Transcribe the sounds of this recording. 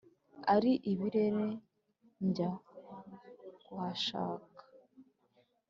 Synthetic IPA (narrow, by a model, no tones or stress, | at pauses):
aɾiʔiβiɾe̞ɾe̞ | ɲɟa | kwaːʃa̰ːkḁ